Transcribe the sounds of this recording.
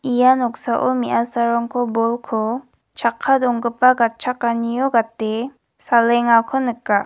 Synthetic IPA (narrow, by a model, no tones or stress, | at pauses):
ijanɔk̚saʔɔmiʔasaɾɔŋkʰobɔlkʰɔ | t͡ʃʰakʰːadɔŋɡɯpaɡat̚t͡ʃʰakːanijoɡatːe | salɛŋakʰɔnɯkːa